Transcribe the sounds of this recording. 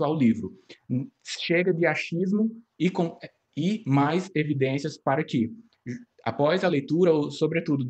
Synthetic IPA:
awlivɾʊ | ʃeɡɐd̪ɪaʃizmʊ | ɪkõ | ɪmajzevid̪ẽsiɐspaɾɐkɪ | a̰pɔzɐlejt̪uɾɐosobɾet̪ud̪ʊ

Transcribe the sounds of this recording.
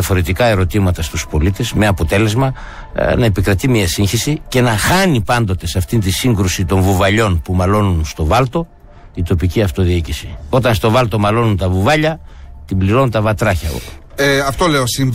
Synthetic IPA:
ɐfo̞ɾe̞t̪ikɐe̞ɾo̞t̪imɐt̪ɐst̪uspo̞lit̪e̞zmeɐpo̞t̪e̞le̞zmɐ | nɐe̞pikɾɐt̪imiɐsiŋçisice̞nɐxɐnipɐnd̪o̞t̪e̞seɐft̪int̪isiŋɡɾusit̪o̞ɱvuvɐʎo̞npumɐlo̞nunst̪o̞vɐlt̪o̞ | it̪o̞piciɐft̪o̞ðiicisio̞t̪ɐnst̪o̞vɐlt̪o̞mɐlo̞nunt̪ɐvuvɐʎɐ | t̪imbliɾo̞nunt̪ɐvɐt̪ɾɐçɐ | ɐft̪oleosim

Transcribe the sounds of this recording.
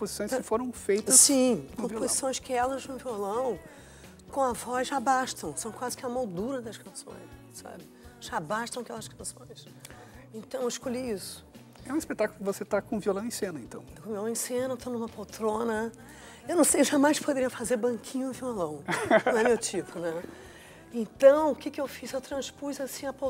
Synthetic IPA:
pozisõj̃skɪfoɾɐ̃w̃fejt̪ɐsĩkõpozisõj̃skɪɛlɐznʊviolɐ̃w̃ | kõw̃ɐvɔzʒabaʃt̪ɐ̃w̃sɐ̃w̃kwazɪkɪɐmod̪uɾɐd̪ɐʃkɐ̃sõ̰j̃s | sa̰bɪ | ʒabaʃt̪ɐ̃w̃ɐkɛlɐskɐ̃sõ̰j̃s | ẽnt̪ɐ̃w̃ewɪʃkoʎiisʊ̥ | ɛũispet̪akʊlʊkɪvoset̪akõviolɐ̃w̃ẽsẽnɐẽnt̪ɐ̃w̪̃kõviolɐ̃w̃ẽsẽnɐewt̪onumɐpowt̪ɾõnɐ | ewnɐ̃w̃sejewʒamajspod̪eɾiɐfazeɾbɐ̃ŋkʰĩɲʊɪ̃violɐ̃w̃ñɛmewt͡ʃipʊnɛ | ẽnt̪ɐ̃w̃ʊkɪkɪewfizewt̪ɾɐ̃spuzɐsĩɐpo

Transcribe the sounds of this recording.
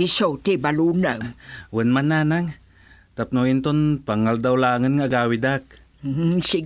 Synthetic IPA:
isot̪ebalunawənmananaŋ | t̪ap̚noint̪onpaŋald̪awlaːŋənŋaʔɡaːwid̪ak̚ | si

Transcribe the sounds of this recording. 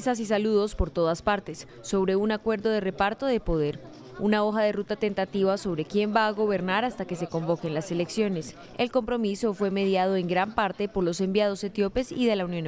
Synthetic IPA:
sas̬is̬aluðo̞spo̞ɾt̪o̞ðaspaɾt̪e̞sːo̞βɾe̞unakwe̞ɾðo̞ð̞e̞re̞paɾt̪o̞ðe̞po̞ðe̞ɾ | unao̞xaðe̞rut̪at̪e̞nt̪at̪iβaso̞β̞ɾe̞kje̞mbaːɣo̞βe̞ɾnaɾast̪ake̞s̬e̞ko̞mbo̞ke̞nlase̞leksjo̞ne̞s | e̞lko̞mpɾo̞miso̞fwe̞me̞ðjað̞o̞eŋɡɾampaɾt̪e̞po̞ɾlo̞se̞mbjað̞o̞se̞t̪jo̞pe̞siðe̞launjo̞n

